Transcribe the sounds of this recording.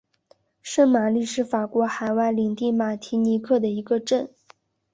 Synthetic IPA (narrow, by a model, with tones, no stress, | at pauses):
ʂə˥˩ŋma˨˩li˥˩ʂɻ̩˥˩fa˨˩kwɔ˧˥xa˨˩ɪwa˥˩ɪli˨˩ŋt̪i˥˩ma˨˩t̪ʰi˧˥ni˧˥kʰɤ˥˩d̪ə˩i˧˥ɡə˧ʈ͡ʂə˥˩n